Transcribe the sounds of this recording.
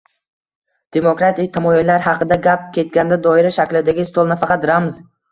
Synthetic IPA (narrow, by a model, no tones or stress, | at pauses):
d̪̥e̞mokɾat̪ɪk̚ʲt̪ʰamɒjilaɾhɑqʰɨd̪aɡʲap̚kʲʰe̞t̪̚ɡʲand̪ad̪ɒɪɾaʃakʲlɪd̪aɡʲɪst̪olˠnafɑqɑt̪ɾamz